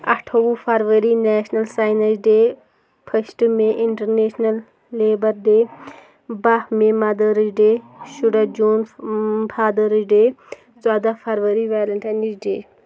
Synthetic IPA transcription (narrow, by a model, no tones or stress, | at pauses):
ɐ̰ʈʰoʋũpʰɐɾʋəɾinɛːʃnɐlsaːjnɐsɖeː | pʰəsʈmẽʔɪɳʈɐɾneːʃnɐlː | eːbɐɾd̪eː | bɐhmẽmɐd̪əɾiɖeːʃuɽɐd͡ʒuːnbʰʱaːd̪əɾiɖeː | t͡swaːd̪apʰɐɾʋɐɾiʋaːlɐɳʈanisɖeː